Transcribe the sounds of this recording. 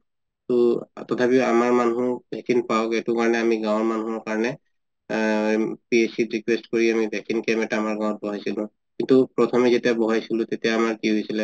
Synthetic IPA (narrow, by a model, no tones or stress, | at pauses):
tutɔtʰapiʊamaɹmanũbʱɛksinpaɔkɛtʊkaɹɔnɛamiɡãwɔɹmanuɔɹkaɹɔnɛ | piesitɹikwestkoɹiamibʱɛksinkɛmɛtaːmaɹɡãw̃ɔt̚bɔɦajsilʊ̃ | kintupɹɔt̪ʰɔmɛzetijabɔɦajsilʊ̃t̪etijaːmaɹkiɦojsilɛ